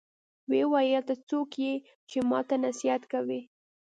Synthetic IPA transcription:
wewɑjəlt̪at͡sokje | t͡ʃemɑ̰t̪anasiat̪kawi

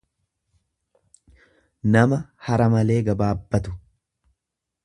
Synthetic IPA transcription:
nɐmɐhɐɾɐmɐle̞ːɡɐbaːbːɐt̪ʊ̥

